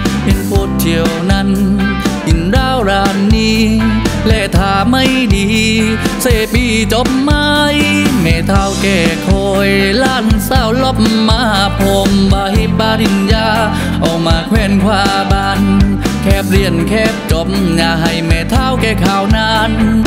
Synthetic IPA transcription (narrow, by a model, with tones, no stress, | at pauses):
ʔe˧˩npʰoː˧t̪̚ʰi˧əwna˧˥n | hi˨˧˩nɾaː˧˥˩wɾaː˧nːiː˧˥lɛ˧˩t̪ʰaː˧˩ma˧˩˨jdiː˧˩ | seː˧˩piː˧˩t͡ɕo˧˦p̚ma˧jmɛː˨˩t̪ʰaː˧˩˨wkɛː˧˩kʰoː˧jlaː˧˩nsaː˧˩˨wlo˧˥˩p̚mːa˧haː˧˦pʰo˧mbaː˧hi˧˩paː˧ɾi˧njaː˧ | ʔʔa˨˩wmaː˨˧kʰwɛː˧˩nkʰwaː˧ | ba˧n | kʰɛː˧˩p̚ɾi˧˩ənkʰɛː˧˩p̚t͡ɕo˨˩p̚mɲaː˧ɦa˧˩jmɛː˧˩t̪ʰaː˧˥˩wkɛː˧˩kʰaː˨˧˩wnaː˧˥n